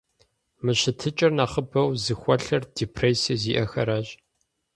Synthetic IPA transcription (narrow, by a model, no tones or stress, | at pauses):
mɨɕɨtʰɨt͡ʃʼɐrnaːχəbɐwzɨxʷɐɬɐrd̥iːpʰreːsɐziːʔɐxɐ̰ɾaːɕʼ